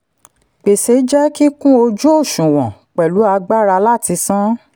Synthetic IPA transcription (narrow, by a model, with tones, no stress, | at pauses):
k͡pe˨se˨˦d͡ʒɛ˦ki˦kũ˦o˧d͡ʒu˦o˦˨ʃũ˨wɔ̃˨k͡pɛ˨lu˨˦a˧ɡ͡ba˦˨ɾa˧la˦˨ti˧˦sã˦